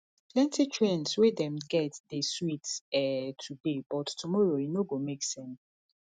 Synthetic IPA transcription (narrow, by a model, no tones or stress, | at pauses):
plɛ̃ntitʰɹɛ̃nswedɛ̃mɡɛtdeswitsɛtʰudebɔtːumɔɹojinoɡõmeksɛ̃ns